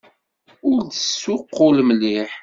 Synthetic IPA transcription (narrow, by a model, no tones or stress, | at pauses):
ʊɾd̪əsːʊqːʊlməliħ